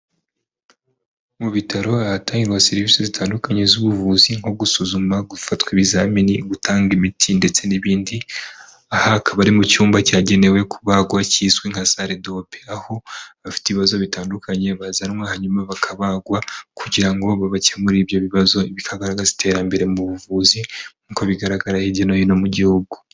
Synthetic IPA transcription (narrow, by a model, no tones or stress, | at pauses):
muβitʰaɾo̞aataːŋiɾwaseɾivisizitʰaːndukaɲe̞zuβuvuziŋo̞ɡusuzumaɡufatwiβizaminiɡutʰaːŋɡimitʰinde̞t͡se̞niβiːndi | ahaːkaβaɾimucuːmbacaːɟe̞ne̞we̞kʰuβaɡwaciːzweŋhasaɾedo̞peaho̞βafi̥teβiβazo̞βitaːndukʰaɲe̞βazanmwahaɲumaβakʰaβaɡwakʰuɟiɾaŋɡo̞βaβacamuɾiːβjo̞βiβazo̞iβikʰaɡaɾaɡazitʰe̞ːɾambe̞ɾe̞muβuvuzi̥ | uko̞βiɡaɾaɡaɾahiɟinojino̞muɟihuɡu